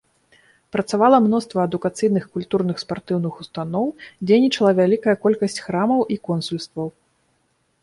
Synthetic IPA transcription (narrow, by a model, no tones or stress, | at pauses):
pɾɐt̪savalˠɐmnɔst̪vɐɐd̪ukat̪sɨjnɨxkulʲt̪urnɨxspart̪ɨwnɨxust̪anɔwd͡zʲejnʲit͡ʂɐlˠɐvʲalʲikɐjɐkɔlʲkɐsʲt͡sʲxɾamɐwʔikɔnsulʲst̪vɐw